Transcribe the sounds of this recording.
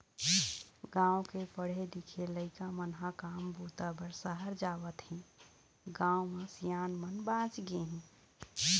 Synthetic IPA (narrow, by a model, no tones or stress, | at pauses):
ɡãːõkepəɽ̤ed̪ɪkʰeləɪkamənɦakaːmbʱuːt̪abəɾsəɦəɾd͡ʒaːwət̪hɛ̃ | ɡãːomẽsijaːnmənbãːt͡ʃɡeɦɛ̃